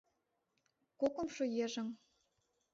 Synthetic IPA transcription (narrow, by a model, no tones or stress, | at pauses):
kokŏmʃojeʒə̆ŋ